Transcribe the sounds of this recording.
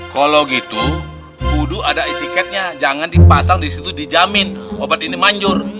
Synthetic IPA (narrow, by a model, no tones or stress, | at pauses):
kaloɡit̪u | kuduadaet̪ikɛt̪̚ɲad͡ʒaŋandipasaŋdisit̪udid͡ʒamɪnobat̪̚inimaɲd͡ʒʊr